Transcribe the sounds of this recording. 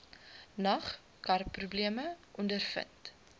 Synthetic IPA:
nɐχ | kɐrpːrubliəməʔɔndərfə̰nt

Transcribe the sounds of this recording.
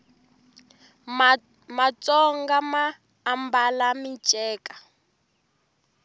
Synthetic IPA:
mat͡sʼɔŋɡamaː | mbalamint͡ʃʼɛːkʼḁ

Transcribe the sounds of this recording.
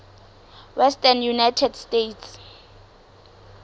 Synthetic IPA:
wɛstʰʼanjunajtʰɛdstetʰs

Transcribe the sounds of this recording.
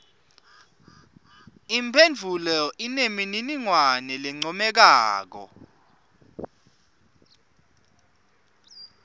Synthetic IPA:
impʰend͡vʱulɛinemininiŋwanɛlɛŋ͡ǀɔmɛk̬aːk̬ɔ̰

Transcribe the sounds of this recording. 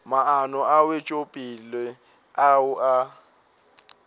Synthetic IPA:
maanɔawet͡ʃʼopʼilɪ | aʊʔa

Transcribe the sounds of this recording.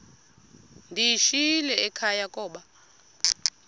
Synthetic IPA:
ndʱijiʃilɛɛkʰajakʼɔːɓa

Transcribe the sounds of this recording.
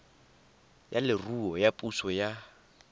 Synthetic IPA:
jalɪruɔjapʼusɔja

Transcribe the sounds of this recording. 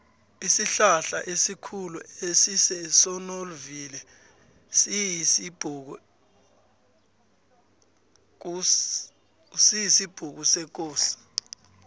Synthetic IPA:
isiɬaɬa̰ʔesikʰuluesisɛsɔnolvilɛ | sib̥ʱuk̬u | u | sijisib̥ʱuk̬usɛk̬ʼoːsi̥

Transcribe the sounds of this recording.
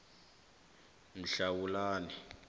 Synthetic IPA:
m̩ɬawulaːni

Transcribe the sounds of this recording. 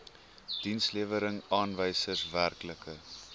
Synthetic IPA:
d̥insliəvəɾəŋɑːnvəjsərsværkləkə

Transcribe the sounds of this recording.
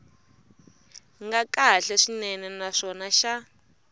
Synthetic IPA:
ŋɡakaɬɛʂinɛnɛnaʂɔnaʃa

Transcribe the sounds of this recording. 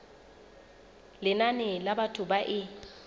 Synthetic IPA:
lɪnanɪlabatʰʊbaʔɪ

